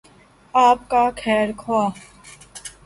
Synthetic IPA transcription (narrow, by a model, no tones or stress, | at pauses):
aːp̚kakʰɛːɾkʰoaː